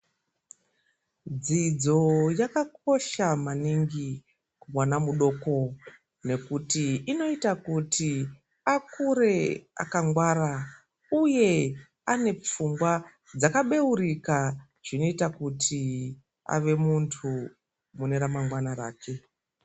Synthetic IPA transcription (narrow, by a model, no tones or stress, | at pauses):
d͡zid͡zo̞jakak̚o̞ʃamaniŋɡi | kumwanamuɗo̞ːko̞ | ne̞kutiːno̞itakutʰi | akuɾe̞a̰kaŋɡwaɾa | uje̞ | ane̞p͡fumɡwa | d͡zakaɓe̞urika | ʐ̥ino̞itakutʰi | a̰ʋe̞muntʰu | muneɾamaŋɡwanaraːke̞